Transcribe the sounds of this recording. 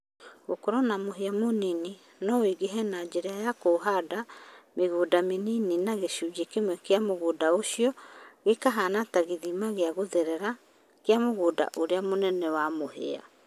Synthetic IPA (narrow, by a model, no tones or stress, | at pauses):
ɣokoɾɔnamoɦeamonini | nɔwiɡeɦɛnad͡ʒeɾeajakoɦadameɣudamenininaɣeʃud͡ʒekemwɛkeamoɣuːdaoʃiɔɣekaɦanataɣeðimaɣeaɣoðeɾɛɾa | keamoɣuːda̰ʔoɾeamonɛnɛwamohḛa̰